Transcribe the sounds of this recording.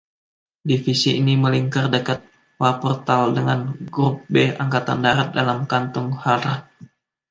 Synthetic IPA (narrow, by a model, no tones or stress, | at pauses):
difisiiniməliŋkardəkat̪̚ | wapɔrt̪aldəŋanɡɾup̚beaŋkat̪andaɾat̪̚dalamkant̪ʊŋhaɾah